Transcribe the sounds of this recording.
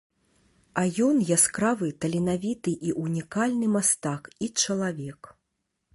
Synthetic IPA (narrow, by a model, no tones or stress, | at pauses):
ajɔnjaskɾavɨt̪ɐlʲinavʲit̪ɨʔiʔunʲikalʲnɨmast̪akit͡ʂɐlˠavʲɛk